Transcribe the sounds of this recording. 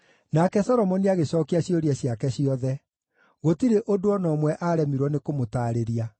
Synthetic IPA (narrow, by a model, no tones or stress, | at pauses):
nakɛsɔɾɔmɔniaɣesɔːkiaɕjɔɾiɛɕiakɛɕiɔðɛ | ɣotiɾeʔodoɔnɔːmwɛʔaɾɛmiɾwɔnekomotaːɾeɾia